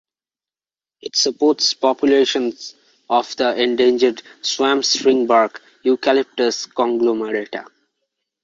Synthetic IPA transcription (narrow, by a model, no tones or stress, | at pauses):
ɪʈsəpoːʈspɔpjʊleːʃə̃nz | ɔfd̪əʔẽɳɖẽːnd͡ʒəɖswæ̃mspɾɪ̃ŋbaɾk | jukælɪp̚ʈəskɔ̃ŋɡloməɾeʈa̰